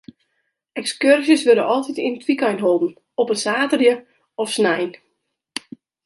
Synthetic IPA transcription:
ɛkskørzjəsʋøɾəʔɔlˠtitintʰʋikajnɦolˠdn̩ | ɔpənsaːtərjə | ɔfsnɛjn

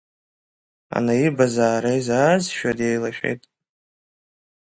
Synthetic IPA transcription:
a̰naibazaːɾejzaːzʃᶣadejlaʃᶣḛjtʼ

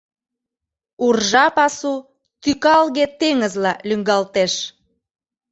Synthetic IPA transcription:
urʒɑpɑsu | t̪ykɑlɣet̪eŋəzlɑlyŋɡɑlt̪eʃ

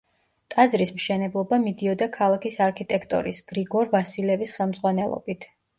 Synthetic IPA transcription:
t̪ʼad̪zɾismʃɛnɛblˠɔbamid̪iɔd̪akʰalˠakʰisaɾkʰit̪ʼɛkʰt̪ʼɔ̰ɾḭsɡ̥ɾiɡɔɾvasilɛvisχɛlˠmdzʁwanɛlˠɔ̰bit̪ʰ

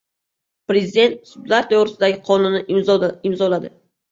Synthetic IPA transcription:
pɾezɪd̪e̞nt̪sʊb̪laɾt̪ʰoʁɾɪsɪd̪aɡʲɪqʰɒnʊnɪɪmzɒlad̪ɪ

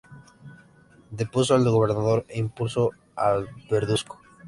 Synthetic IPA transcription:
d̪epus̬oalɣoβeɾnaðo̞ɾeimpulso | abeɾðusko̥

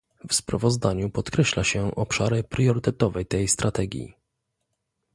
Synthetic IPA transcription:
vspɾa̰vɔzd̪aɲupɔt̪kɾɛɕlaɕɛʔɔpʂaɾɘpɾjɔɾɘt̪ɛt̪ɔvɛjt̪ɛjst̪ɾat̪ɛɡʲjḭ

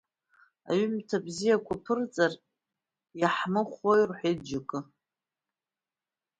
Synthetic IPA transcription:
a̰ɥʏmtʰabzijakʷʰapʰɨrt͡sʼar | jaħmɨχʷojrħʷed͡ʒakʼɨ

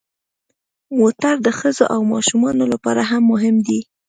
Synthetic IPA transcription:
mot̪aɾd̪əxəzoʔawmɑʃumɑnolapɑɾaɦamːʊɦɪmd̪i

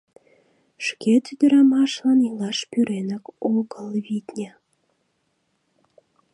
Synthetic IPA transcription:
ʃket̪yd̪ə̆ɾɑmɑʃlɑnilɑʃpyɾenɑkoɣəlβit̪ʲnʲe

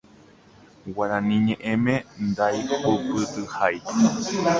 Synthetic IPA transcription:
waɾãnĩɲẽʔẽmẽnd̪ajupɨt̪ɨhaj

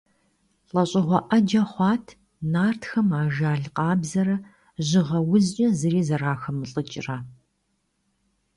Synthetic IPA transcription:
ɬʼɐɕʼɪʁʷɔʔɐd͡ʒɐχʷɑːtʰ | naːrtʰxɐmaːʒaːɮqɑːbzɐɾɐ | ʑɪʁɐwʊzt͡ʃʼɐzɨɾiːzɐraːxɐmɨɬʼɨt͡ʃʼraː

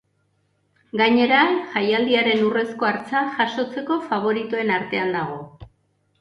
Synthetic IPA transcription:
ɡaɲe̞ɾaʝajald̪iaɾe̞nure̞sko̞aɾt͡saʝaʃo̞t͡se̞ko̞faβ̞o̞ɾit̪oe̞naɾt̪e̞and̪aɣ̞o̞

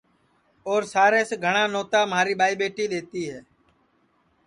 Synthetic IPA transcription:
oːɾsaːɾẽːseɡʱəɽ̃aːnoːt̪aːmɦaːɾiːɓaːiːɓeːʈiːleːt̪iːɦɛː

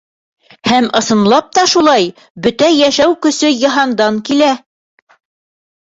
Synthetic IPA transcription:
hæmɤ̆sɤ̆nlˠɑp̚t̪ɑʃulˠɑj | bɵt̪æjæʃæwkɵ̆sɵjɤ̆ɦɑnd̪ɑŋkilæ

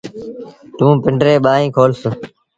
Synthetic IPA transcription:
t̪ũːpɪɳɖɾeːɓaːɦĩːkʰoːlsə

